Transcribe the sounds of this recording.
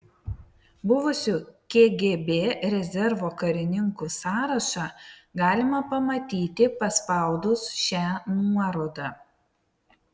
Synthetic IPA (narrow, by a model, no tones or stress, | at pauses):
bʊʋʊsʲukʲeɡʲeːbʲeːɾʲɛzʲɛɾʋoːkɐɾʲɪnʲɪŋkuˑsɑːɾɐʃɑɡɑːlʲɪmɐpɐmɐt̪ʲiːt̪ʲɪpɐspɑˑʊd̪ʊsʃʲæːnuɔɾoːd̪ɑː